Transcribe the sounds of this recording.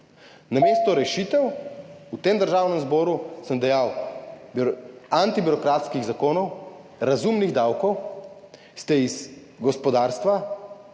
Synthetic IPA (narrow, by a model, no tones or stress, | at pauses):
nameːst̪ɔɾɛʃiːt̪ɛwut̪eːmd̪əɾʒaːwnɛmzbɔːɾusəmd̪ɛjawbant̪ibiɾɔkɾaːt̪skiɣzakoːnɔw | ɾazumniɣd̪awkɔw | st̪ɛiz | ɡɔspɔd̪aːɾst̪ʋa